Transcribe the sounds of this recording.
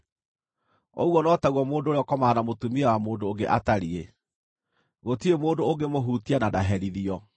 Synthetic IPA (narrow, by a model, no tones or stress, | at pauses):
ɔ̰uwɔnɔːtaɣwɔmoːndoːɾeɔkɔmanamotumiawamoːndoːŋɡeʔataɾie | ɣotiemoːndooɡemoɦuːtianadaɦɛɾiðiɔ